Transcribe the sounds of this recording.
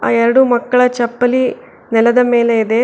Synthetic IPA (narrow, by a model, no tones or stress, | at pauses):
aːɛɾɐɽumɐkːɐɭɐt͡ʃɐpːɐli | nɛlɐd̪ɐme̞ːle̞id̪e̞